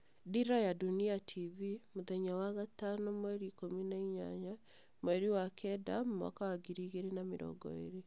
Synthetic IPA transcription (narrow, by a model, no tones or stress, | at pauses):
diɾajaduniatʰivimoðɛɲawaɣatanɔmwɛɾikominaiɲa̰ɲa | moɛɾiwakɛdamːa̰kawaɡiɾiɣeɾenameɾɔ̰ɡɔ̰ḛɾe